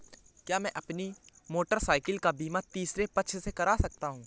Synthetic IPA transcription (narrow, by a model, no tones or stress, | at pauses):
kjaːmɛ̃ʔɐpnimoːʈəɾsaːɪkəlkabiːmat̪iːsɾepɐʃʰsekɐɾaːsɐk̚t̪aɦũː